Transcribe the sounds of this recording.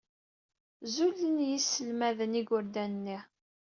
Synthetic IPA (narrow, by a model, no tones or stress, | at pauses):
zulːənjisːəlmæðəniɡʊɾd̪ænnːi